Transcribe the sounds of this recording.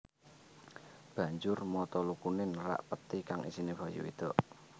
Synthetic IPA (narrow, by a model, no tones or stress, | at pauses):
b̥ä̤ɲd͡ʒʊrmɔt̪ɔlukunɪnɾa̰ʔpət̪ikaŋʔḭsinib̥ajṵḭd̪̥ɔ̤ʔ